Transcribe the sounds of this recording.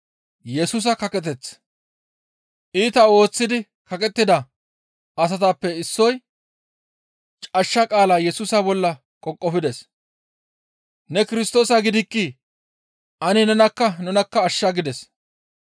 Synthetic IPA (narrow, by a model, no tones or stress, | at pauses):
jɛsuːs̬ɐkɐkʼɛt̪ɛt͡sː | ʔiːt̪ɐo̞ːt͡sːɪd̪ɪ | kɐkʼɛt̪ːɪd̪ɐ | ɐs̬ɐt̪apːɛɪsːɔj | t͡ʃʼɐʃːɐkʼaːlaːjɛsuːsɐbɔlːɐ | kʼɔkʼːɔfɪd̪ɛs | nɛkɪɾɪst̪o̞ːsɐɡɪd̪ɪkːi | ʔɐnɪnɛnɐkːɐnɛnɐkːɐːʃːɐɡɪd̪ɛs